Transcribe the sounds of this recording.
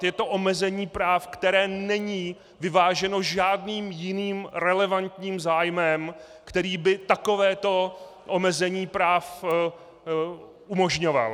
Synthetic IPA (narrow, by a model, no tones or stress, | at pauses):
t̪jɛt̪o̞ʔomɛzɛɲiːpɾaːfkt̪ɛɾɛːnɛɲiː | vɪvaːʒɛno̞ʒaːdniːmjɪniːmɾɛlɛvant̪ɲiːmzaːjmɛm | kt̪ɛɾiːbɪt̪ako̞vɛːt̪o̞ | ʔomɛzɛɲiːpɾaːf | umo̞ʒɲova̰l